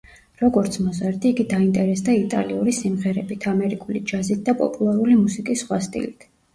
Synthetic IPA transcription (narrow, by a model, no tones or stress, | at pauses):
ɾɔɡɔɾt̪sʰmɔzaɾd̪iːɡid̪aint̪ʼɛɾɛsd̪ait̪ʼa̰liuɾisimʁɛɾɛbit̪ʰamɛɾikʼulid͡ʒazit̪̚d̪apʼɔ̰pʼulˠaɾulimusikʼisːχwast̪ʼḭlit̪ʰ